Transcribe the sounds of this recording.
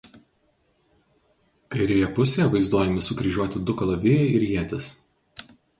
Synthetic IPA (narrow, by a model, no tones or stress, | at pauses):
kɐɪɾʲɛjɛpʊsʲejɛʋɐɪzd̪uɔjɛmʲɪsʊkɾʲiʒʲuɔt̪ʲɪd̪ʊkɐlˠɐʋʲɪjɛɪɾjiɛt̪ʲɪs